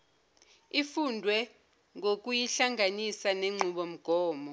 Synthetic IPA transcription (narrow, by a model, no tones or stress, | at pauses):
ifundʱwɛ | ŋok̬ʼujiɬaŋʱanisaneŋ͡ǃʱuɓɔm̩ɡ̥ʱɔːmɔ